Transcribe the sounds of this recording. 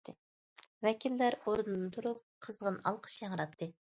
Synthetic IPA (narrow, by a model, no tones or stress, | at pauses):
t̪ɨ | vɛkʲʰilːæɾoɾnɨnɨt̪ʰuɾup̚qʰəzʁənɑ̰lˠqʰə̥ʃjɑŋɾɑp̚t̪ʰɨ